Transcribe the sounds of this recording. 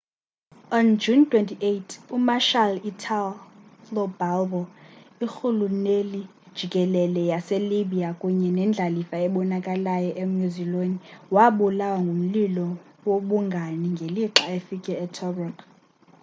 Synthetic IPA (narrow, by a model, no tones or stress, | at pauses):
ɔnd͡ʒuntʰʼwentʰiʔetʰumaʃalitʰallɔbalbɔixuluneli | d̥ʒ̥ʱikʼɛlɛlɛjaseliɓiakʼuɲɛnɛnd͡ɮʱalifaɛɓɔnakʼalajɔʔem̩juziloniwaɓulawaŋɡʱum̩lilɔ | woɓuŋɡʱaniŋɡʱeliǁaefikʼɛɛtʰɔbɔk